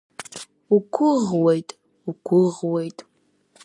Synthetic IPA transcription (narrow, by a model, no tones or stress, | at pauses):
ukʷʰʊʁwejtʼ | ukʷʰʊʁwejtʼ